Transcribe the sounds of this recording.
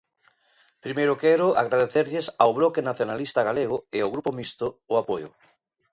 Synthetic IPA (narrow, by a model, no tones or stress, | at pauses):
pɾimejɾokɛɾʊʔa̰ɣɾaðeθeɾʎesawβlɔkenaθjonalist̪aɣaleɣʊɪawɣɾupomist̪ʊːapojʊ̰